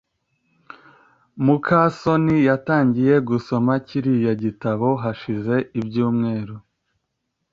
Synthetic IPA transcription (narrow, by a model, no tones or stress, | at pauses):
mukʰaso̞nijataːɲɟije̞ɡuso̞maciɾijaɟitaβo̞ɦaʃize̞ʔibɟuːmŋe̞ːɾu